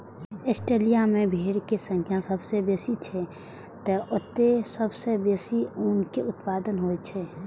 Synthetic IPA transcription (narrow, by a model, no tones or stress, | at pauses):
esʈeːlijamẽbʱeːɽkesə̃ŋkʰjãsəbsebeːsit͡ʃʰɛ | t̪əʔʊt̪esəbsebeːsiʊnkeʊt̪paːd̪ənɦoet͡ʃʰɛ